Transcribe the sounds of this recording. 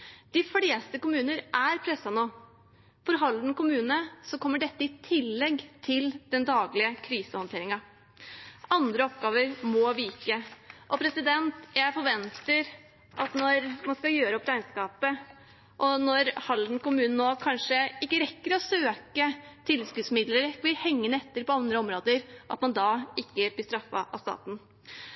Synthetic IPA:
d̪̥ɪfleːst̪əkʊmʉːnəɾʔæɾpʰɾɛsːɑnoː | fɔɾɦɑld̪n̩kʊmʉːnəsɔkʰɔmːəɖɛt̪ːəɪt̪ʰɪlːɛɡt̪ʰɪld̪ɛnd̪ɑːɡlɪəkʰɾiːsəhɔnt̪eːɾɪŋɑ | ɑnd̪ɾəɔpɡɑːʋəɾmɔʋɪkəʔɔpʰɾɛsɪd̪ɛnt̪jæɪfɔɾʋɛnt̪əɾ | ʔɑt̪nɔɾmɑnskɑjøːɾəɔpɾæɪnskɑːpə | ʔɔnɔɾhɑln̩kʊmʉːnn̩ːoːkʰɑnʂəɪkːəɾɛkːəɾɔsøːkət̪ʰɪlskʉːd̪smɪd̪ləɾbɪɾhɛŋːənəɛt̪ːəɾpɔɑnd̪ɾəɔmɾoːd̪əɾʔɑt̪mɑnd̪ɑːɪkːəb̪ɪst̪ɾɑfːɑ̰ʔɑ̰st̪ɑ̰ːt̪n̩

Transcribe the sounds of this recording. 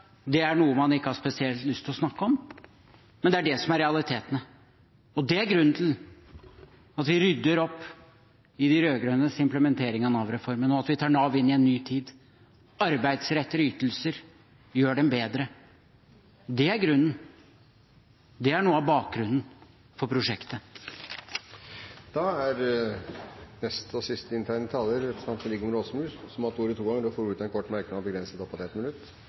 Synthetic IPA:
d̪ɛæɳuːəmɑnɪkːəhɑʂpɛsɪɛlt̪lʏst̪ʰɪlɔsnɑkːəɔm | mɛnd̪ɛæɖɛsɔmæɾɛɑlˠɪt̪ʰeːt̪ənə | ɔd̪ɛæɾɡɾʉnːnt̪ʰɪl | ɑt̪ʋɪɾʏd̪ːəɾɔpː | ɪd̪ɪɾøːɡɾœnəsɪmpləmɛnt̪ʰeːɾɪŋɑnɑʋɾɛfɔɾmənɔɑt̪ʋɪt̪ʰɑːɳɑʋɪnːɪɛnːyːt̪ʰiːd̪ | ɑɾbæɪd̪sɾɛt̪ːəɾyːt̪əl̩səɾ | jøːɖɛmbeːd̪ɾə | d̪ɛæɾɡɾʉnːn | d̪ɛæɳuːəɑʋbɑːk̚ɡɾʉnn̩ | fɔɾpʰɾʊʂɛkt̪ə | d̪̥ɑæɾ | nɛst̪ɔsɪst̪əɪnt̪ʰæɾɳət̪ʰɑːləɾɛt̪ɑmt̪ɾɪɡmɾoːsmʉːssɔmɑt̪uːɾət̪ʰuːɡɑŋːəɾɔfoːɾʉːt̪ɑɛnkʰɔʈːmæɾkənɑbəɡɾɛnsət̪ɔpːɑt̪ɛt̪mɪnʉt̪ː

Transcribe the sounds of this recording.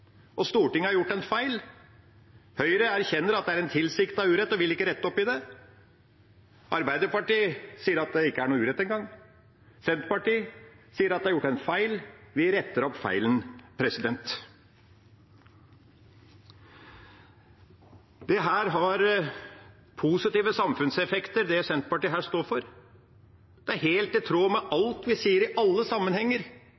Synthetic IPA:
ʔɔst̪uːʈɪŋːəhɑɾjʊʈːɛnfæɪl | hœʏəɾəæɾçɛnːəɾɑt̪̚d̪ɛæɾɛnt̪ʰɪlsɪkt̪ɑʉːɾɛt̪ːɔʋɪlɪkːəɾɛt̪ːəɔpːɪd̪ɛ | ʔɑɾbæɪd̪əɾpɑʈiːsiːəɾɑt̪̚d̪ɛɪkːəæɳuːʉːɾɛt̪ːɛnŋɡɑŋː | sɛnt̪pɑʈiːsiːəɾɑt̪d̪ɛhɑɾjʊʈːɛnfæɪlʋɪɾɛt̪ːəɾɔpːfæ̰ɪlənpʰɾɛsɪd̪ɛnt̪ | d̪̥ɛɦæːɾɦɑɾ | pʰusɪt̪iːʋəsɑmfʉnsɛfɛkt̪əɾd̪ɛsɛnt̪pɑʈiːɦæːʂt̪oːɾfɔɾ | d̪̥ɛæɾɦeːlt̪ɪt̪ʰɾoːmɛʔɑlt̪ʋɪsiːəɾɪʔɑlːəsɑmːənhɛŋːəɾ

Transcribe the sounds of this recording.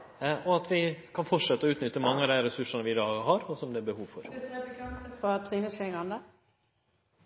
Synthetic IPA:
ɔɑt̪ʋɪkʰɑnfɔʈʂɛt̪ːəɔʉːt̪nʏt̪ːəmɑŋːəɑd̪æɾɛsʉʂənəʋɪd̪ɑːɦɑɾɔsɔmd̪ɛːbəhuːʋfɔɾ | fɔt̪ʰʁiːnəskɛŋɑnd̪ə

